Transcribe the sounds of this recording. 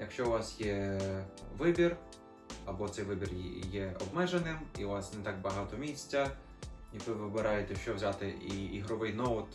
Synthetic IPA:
jɐkʃt͡ʃɔʊʋɑsjɛ | ʋɪbʲir | ɐbɔt̪sɛjʋɪbʲirjɛɔbmɛʒenɪmiʊʋɑsnɛt̪ɑk̚bɐɦɑt̪ɔmʲisʲt͡sʲːɐ | jɐkʋɪʋɪbɪɾɑjet̪ɛʃt͡ʃɔʋwzʲat̪ɪiiɦɾɔʋɪjnɔʊt̪

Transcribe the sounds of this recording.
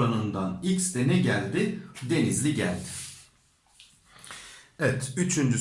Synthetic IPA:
anɯnd̪anicsd̪ɛnɛɟælʲd̪ɪd̪e̞nizlʲiɟæ̰lʲd̪ɪ̥ | ɛvɛt̪ʰyt͡ʃʰynd͡ʒy

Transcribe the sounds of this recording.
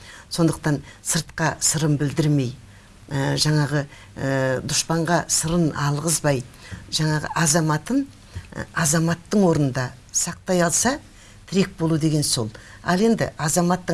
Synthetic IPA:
so̞nd̪əqt̪ɑnsəɾt̪̚qɑsəɾəmbɪld̪ɪɾme̞j | əʒɑɴɑʁə | əd̪ʊʃpɑɴʁɑsəɾənɑlˠʁəzbɑjʒɑɴɑʁə̰ʔɑzɑmɑt̪ən̰ | ɑzɑmɑt̪ːəɴwo̞ɾnənd̪ɑ | sɑq̚t̪ɑjɑlˠsɑ | t̪ʰɪɾe̞k̚bo̞lˠud̪e̞ɡʲe̞nso̞̰lˠ | ɑ̰lˠe̞nd̪ɪ̰ʔɑzɑmɑt̪ːə

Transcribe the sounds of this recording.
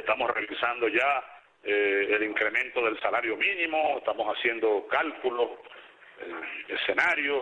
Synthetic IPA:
est̪amosreβisand̪o̞ʝa | eeliŋkɾe̞mẽ̞nt̪o̞ðe̞lsalaɾjo̞mĩnĩmoeht̪amosasje̞nd̪okalkulos | eese̞naɾjo

